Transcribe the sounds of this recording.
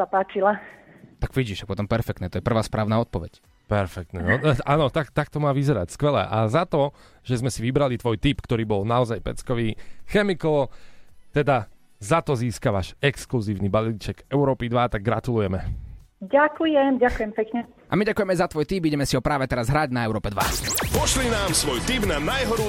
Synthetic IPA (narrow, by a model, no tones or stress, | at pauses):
apaːt͡ʃilat̪aɡʋiɟiʃak̚pɔt̪ɔmpɛɾfɛkt̪nɛːt̪ɔjɛpr̩ʋaːspɾaːʊnaːɔt̪̚pɔʋɛ̰c | pɛɾfɛk̚t̪nɛnɔaːnɔt̪akt̪ak̚t̪ɔmaːʋizɛɾa̰cskʋɛlɛ̰ʔazat̪ɔ | ʒɛzmɛsiʋibɾalit̪ʋɔjt̪iːpkt̪ɔɾiːbɔlnaɔzajpɛ̰t͡skɔʋiːxɛmikɔlt̪ɛd̪a | zat̪ɔziːskaʋaʃɛkskluziːʊnibaliːt͡ʃɛkɛʊɾɔːpid̪ʋat̪aɡ̚ːɾat̪ulujɛmɛ | ɟakujɛmɟakujɛmpɛkɲɛ | ʔa̰miɟakujɛmɛjzat̪ʋɔjt̪iːpiɟɛmɛsiɦɔpɾaːʋɛt̪ɛɾazɦɾaɟnaɛʊɾɔːpɛd̪ʋa̰pɔʃlinaːmsʋɔjt̪iːbnanajɦɔɾu